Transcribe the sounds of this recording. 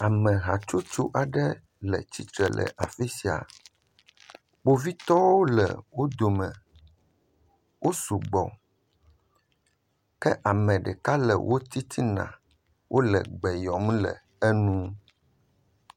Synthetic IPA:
a˨mɛ̃˨ɦa˨t͡ʃo˦t͡ʃu˦ʔa˨ɖɛ˦ | lɛ̰˨t͡ɕi˦t̪ɾɛ˨lʔɛ̰˨ʔa˨fe˦si˨a̰˨ | k͡po˦vi˦t̪ɔ˦wo˦lɛ̰˨wo˦d̪o˨mɛ̃˨ | wʔo˦su˨ɡ͡bɔ̰˨ | kɛ˦ʔa˨mɛ̃˨ɖɛ̰˨ka˦lɛ̰˨wʔo˦t̪i˦t̪ʰi˦nã̰˨ | wʔo˦lɛ˨ɡ͡bɛ˨jɔ˨m˦lɛ̰˨ | ɛ˦nũ˦

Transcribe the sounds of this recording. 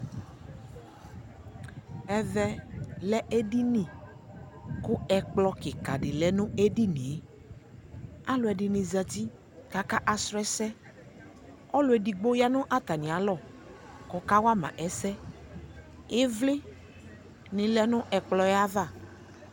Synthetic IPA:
ɛ˨vɛ˨lɛ˦ʔe˦di˦nĩ˨ | kʊ˦ɛ˨k͡plɔ˨kɪ˨ka˨dɪ˨lɛ˨nʊ̃˦e˦di˦nĩ˨e˨ | a˦lʊ˨˦ɛ˨dɪ˨nɪ̃˨za˨ti˦ | ka˨ka˦ʔa˨sɾɔ˦ɛ˦sɛ˦ | ɔ˦lʊ˨ɛ˨di˨ɡ͡bo˦ja˦nʊ̃˦ʔa˦t̪a˨nɪ̃˨a˨˦lɔ˦˨ | kɔ˨ka˦wa˦mã̰˨ʔɛ˨sɛ˦ | ɪ˦vlɪ˦ | nɪ̃˨lɛ˦nʊ̃˦ʔɛ˨k͡plɔ˨jɛ˦a˦ða˦˨

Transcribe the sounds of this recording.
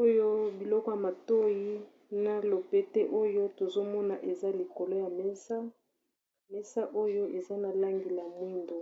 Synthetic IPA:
o˦jo˦bi˨lɔ˦kɔ˦ja˨ma˨to˦ji˦ | na˨lo˨pe˦te˦ʔo˦jo˦to˨zo˦mɔ˦na˨ʔe˨za˦li˨ko˨lo˦ja˨mɛ˦sa˦ | mɛ˦sa˦ʔo˦jo˦ʔe˨za˦na˨la˦ŋɡi˨la˨mwi˦ndo˨

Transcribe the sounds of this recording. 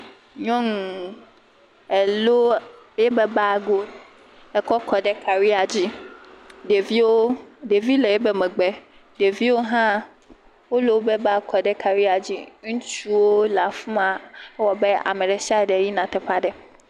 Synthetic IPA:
ɲɔ̃˦ŋ˨ | ɛ˨lo˦ | je˦bɛ˦ba˦˨ɡo˦ | ɛ˨kɔ˦kɔ˨ɖɛ˦ka˨wi˦a˨d͡ʑi˦ | ɖe˨vi˦wo˦ɖe˨vi˦le˨je˦bɛ˦mɛ̃˨ɡ͡bɛ˦ | ɖe˨vi˦wo˦ɦã˦ | wo˦lo˦wo˦bɛ˦ba˦kɔ˨ɖɛ˦ka˨wi˦a˨d͡ʑḭ˦ŋũ˦t͡ʃu˦wo˦la˨fu˦mã˨ɛ˦wɔ˨bɛ˦a̰˨mɛ̃˨ɖɛ˨sa˦˨ɖɛ˨ji˦nã˨t̪ɛ˦ɸa˦ɖɛ˦

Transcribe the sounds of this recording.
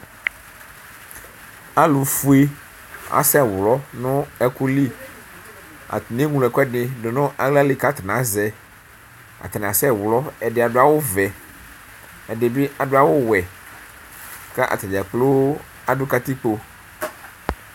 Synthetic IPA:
a˦lu˨fu˦e˦ | a̰˨sɛ˦˨wlɔ˦nʊ̃˦ɛ˦ku˦li˦ | a̰˨tne˦ŋu˨lɛ˨kɛ˦ɖɪ˨dʊ˨nʊ̃˦ʔa˨ɡla˦li˨ka˦t̪ɪ˨nã˨˦zɛ˨ | a̰˨t̪a˨n˨a˨sɛ˦˨wlɔ˦ɛ˨dɪ˨a˨dʊ˦a˨wʊ˦vɛ˨ | ɛ˨dɪ˨bɪ˦a˨dʊ˦a˨wʊ˦wɛ˨ | kɛ˦ʔa̰˨t̪ɛ˨d͡ʒɛ˨k͡plʊ˦ | a˨dʊ˦ka˦t̪i˦k͡po˦

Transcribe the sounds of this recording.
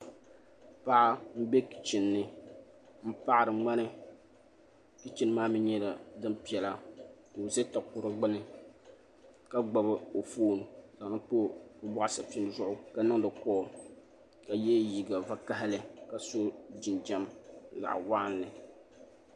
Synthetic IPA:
pa˦ʔa˦m̩˦be˦ki̥˨t͡ʃɪ˨nːɨ˦ | m̩˦pa˦ʔɾɨ˨ŋ͡ma˦nɨ˦ | ki˦t͡ʃɪ˦n˦maː˦mi˦ɲɛ˦la˨dɨ˦m˦pi˨ɛ˨la˨do˨zɛ˦ta˨kʊ˨ɾɨ˦ɡ͡bɨ˦nɨ˦ | ka˦ɡ͡ba˨bɨ˦o˨foː˦n˨za˨ŋ˨nɨ˦po˦bʊ˦bʊ˦ʔa˦sa˨pi˦nɨ˦zʊ˦˨ʔʊ˦ka˨nɨ˦ŋ˦dɨ˨kɔː˦ | ka˨jɛ˦ji˨ɡa˨va˨ka˦ɦɪ˦lɨ˦ka˨so˦d͡ʒi˨nd͡ʒa˦m˨za̰˨ʔwa˦ʔa˦n˨lɨ˨

